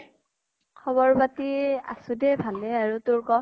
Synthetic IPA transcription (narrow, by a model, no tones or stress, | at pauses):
kʰɔβɔɹbatia̰sʊdɛbʱalɛaɹutʊɹkɔ